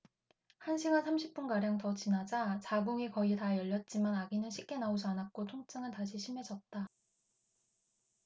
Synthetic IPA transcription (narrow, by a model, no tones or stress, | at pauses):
hanɕʰiɡansʰamɕʰip͈̚unɡaɾjaŋtʌt͡ɕinad͡ʑat͡ɕaɡoŋikʌitajʌʎːʌt̚t͡ɕ͈imanaɡinɯnɕʰik̚k͈e̞naod͡ʑanak̚k͈otʰoŋt͡ɕ͈aŋɯntaɕ̬ʰiɕʰime̞d͡ʑʌt̚t͈a